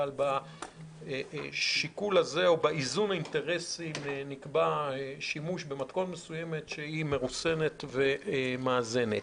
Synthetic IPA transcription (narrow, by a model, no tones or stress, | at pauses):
alba | ʃikulaze̞o̞baizunainte̞ʁe̞simnikbaʃimuʃbe̞matko̞tme̞suje̞me̞tʃehime̞ʁuse̞ne̞t̪ve̞maːze̞net